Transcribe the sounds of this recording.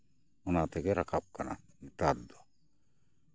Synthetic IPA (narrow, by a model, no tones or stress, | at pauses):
unat̪ɛkeɾakap̚kana̰ | it̪ad̪o